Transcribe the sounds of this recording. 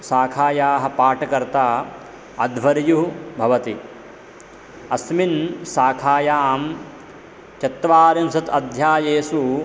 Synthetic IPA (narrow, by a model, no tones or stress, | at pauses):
saːkʰaːjaːɦɐ̆paːʈɐkɐɾt̪aː | ɐd̪ʋɐɾjuɦbʱɐʋɐt̪i | ɐsminsaːkʰaːjaːm | t͡ʃɐt̪ːʋaːɾinsɐt̪ɐd̪ʱjaːjeːsu